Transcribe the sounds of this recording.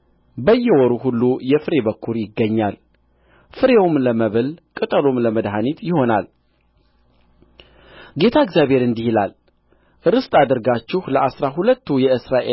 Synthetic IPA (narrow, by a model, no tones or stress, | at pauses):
bəjːɛwɔɾuhulːujɛfɨɾe̞bəkʰːuɾjɪɡːəɲːal | fɨɾewmləməβɨlkʼɨt̪ʼəlomləməd̪ɦanit̪jɪho̞nal | ɡe̞t̪ʰaɪɡzjaβhe̞ɾɨnd̪ihila̰l | ʔɨɾɨst̪ʼad̪ɨɾɡat͡ʃːɪhləʔasɾaɦulət̪ːujɛɨsɾaʔe